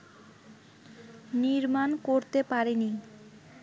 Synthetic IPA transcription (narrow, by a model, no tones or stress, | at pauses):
niɾmankoɾt̪epaɾeni